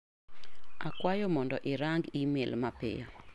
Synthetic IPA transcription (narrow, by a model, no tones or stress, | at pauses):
akwajɔmɔndɔʔɪɾaŋɡimelmapɪ̰jo̰